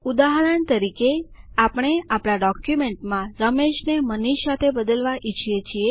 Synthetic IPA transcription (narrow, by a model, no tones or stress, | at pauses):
ud̪aɦɾəɳt̪əɾikeapɽ̃eapɭaɖɔkjumeɳʈmãɾəmeʃneməniʃsat̪ʰebəd̪əlʋaʔit͡ʃʰijet͡ʃʰie